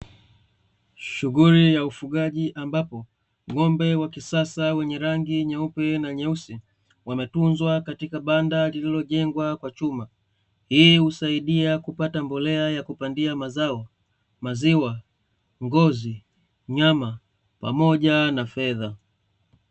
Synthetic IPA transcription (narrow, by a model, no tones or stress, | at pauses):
ʃuɣulijaufuɠaʄiʔambapɔ | ŋɔmbɛwakisasawɛɲɛɾaŋɡiɲɛupɛnaɲɛusi | wamɛtunzwakatikaɓandalililɔʄɛŋɡwakwat͡ʃuma | hiːhusaiɗiakupatambɔlɛajakupandiamazaɔ | maziwa | ŋɡɔzi | ɲama | pa̰mɔʄanafɛða